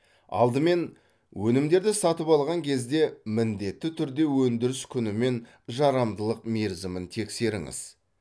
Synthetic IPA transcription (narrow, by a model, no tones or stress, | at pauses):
ɑ̰lˠd̪əme̞n | wɵnɪmd̪e̞ɾd̪ɪsɑt̪əpɑlˠʁɑŋkʲʰe̞zd̪e̞mɪnd̪e̞t̪ːɪt̪ʰʏɾd̪e̞wɵnd̪ɪɾɪskʲʰʏnɪme̞n | ʒɑɾɑmd̪əlˠəq̚meɾzəmɪnt̪ʰe̞kse̞ɾɪŋɪ̰z̥